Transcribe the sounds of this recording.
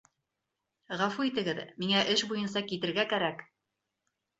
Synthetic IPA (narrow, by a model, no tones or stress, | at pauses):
ʁæfuit̪ɘ̆ɡɘðmiŋæʔɘʃbujɤns̬ɑkit̪ɘ̆ɾɡækæɾæk